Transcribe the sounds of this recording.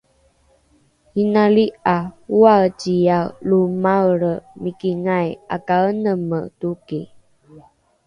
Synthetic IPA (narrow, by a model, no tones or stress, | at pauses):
hinaliʔauacijalumawɾəmikiŋaja̰kaənəmətuki